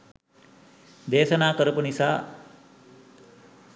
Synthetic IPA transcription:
d̪eːsɐnaːkʌɾpənisa

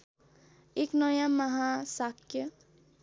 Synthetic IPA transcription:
eknʌjãməɦãsakjə

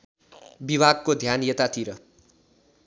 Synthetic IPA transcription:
biβʱaɡ̚kod̪ʱjanjet̪at̪ʰiɾʌ

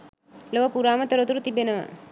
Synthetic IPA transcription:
loʋɐpuɾaːmɐt̪ɐɾot̪uɾut̪ibenɐʋa̰

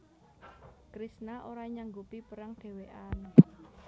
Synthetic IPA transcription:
kɾisnaʔoɾaɲaŋɡupipəɾaŋd̪̥e̤weʔan

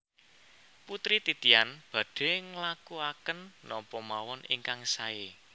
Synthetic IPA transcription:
put̪ɾit̪it̪ianb̥ä̤ɖ̥e̤ŋlakuakənnɔmpɔmawɔnʔiŋkaŋsae

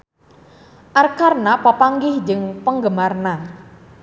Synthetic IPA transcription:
ʔarkarnapapaŋɡɪhd͡ʒəŋpəŋɡəmarna

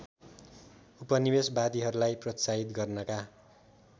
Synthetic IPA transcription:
upʌnibesbad̪iɦʌɾulajprʌt͡sait̪ɡʌrnʌka

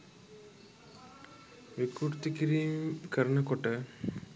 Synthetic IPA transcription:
ʋikuɾt̪ikiɾiːmkɐɾɐnɐkoʈə

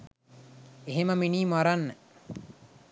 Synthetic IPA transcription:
eɦeməminiːmaɾanːə

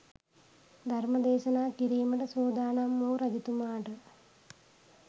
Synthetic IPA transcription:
d̪ʱɐɾmɐd̪eːʃɐnaːkiɾiːmɐʈɐsoːd̪aːɳamːoːɾɐd̪it̪umaːɾ

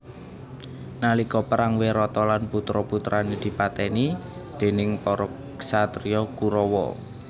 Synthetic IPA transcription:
nalikɔpəɾaŋweɾɔt̪ɔlanput̪ɾɔput̪ɾaned̪̥i̤pat̪ɛni | d̪̥e̤nɪŋpɔɾɔ | ɡsat̪ɾiɔkuɾɔwɔ̰

